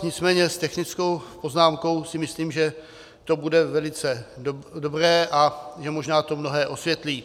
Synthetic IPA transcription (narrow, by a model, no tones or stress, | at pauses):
ɲɪt͡smɛːɲɛst̪ɛxnɪt͡skowpo̞znaːmko̞wsɪmɪsliːmʒɛ | t̪o̞budɛvɛlɪt͡sɛdodobrɛːʔaʒɛmoʒnaːt̪o̞mnoɦɛːʔo̞svjɛt̪liː